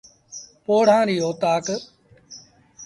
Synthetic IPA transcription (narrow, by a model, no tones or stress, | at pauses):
poːɽ̤ãːɾiːoːt̪aːk